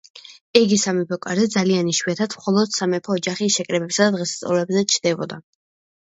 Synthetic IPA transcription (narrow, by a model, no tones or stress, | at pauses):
ɛɡisamɛpʰɔkʼaɾzɛd̪zalianiʃwiat̪ʰat̪mχɔlˠɔd̪̥samɛpʰɔːd͡ʒaχiʃɛkʼɾɛbɛpsad̪ad̪ʁɛst̪sʼɔ̰lɛbzɛt͡ʃʰd̪ɛbɔ̰d̪a